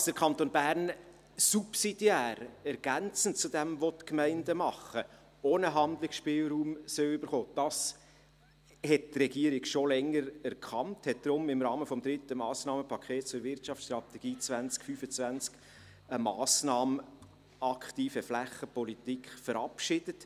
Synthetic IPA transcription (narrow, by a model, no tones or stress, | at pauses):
ɑsd̥əɾkʰɑnt̪oːnbæːɾn | supsid̥jæːɾɛɾɡ̥ænt͡sən̩t͡sudɛmvɔtkmɛɪndəmɑχə | oːnəɦɑnd̪lɪksʃpɪːlɾuːmsøʏbəɾχoːd̥ɑs | hɛt̚trɛɡ̥iəɾɪɡʃolɛŋːəɾɛɾkʰχɑnthɛt̚d̪̥ɾʊmɪmɾɑːməfɔmd̥̪ɾɪtəmɑːsnɑːməpʰɑkχeːt̚t͡sʊɾʋɪɾtt͡ʃɑftsʃt̪ɾɑt̪ɛɡ̥iːt͡svænt͡skfyːfət͡svænt͡sk | əmɑːsnɑːmə | ɑkχtiːfəflæχəpɔlitikχfəɾɑpʃɪd̥ət